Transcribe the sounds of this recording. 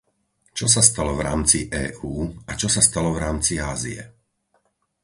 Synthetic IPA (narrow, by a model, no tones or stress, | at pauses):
t͡ʃɔs̬ast̪alɔvɾa̰ːmt͡siʔɛːʔuːat͡ʃɔsast̪alɔvɾaːmt͡siaːziɛ̰